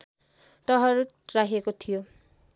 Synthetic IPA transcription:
tʌɦʌɾu | raɦiekot̪ʰijo

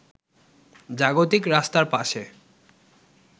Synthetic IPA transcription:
d͡ʑaɡot̪̬ikɾast̪aɾpaʃe

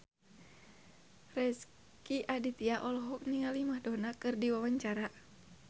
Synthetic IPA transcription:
rɛs | kiʔadit̪iaʔɔlɔɦɔk̚niŋalimahdɔnakɨrdiwawaɲt͡ʃaɾa

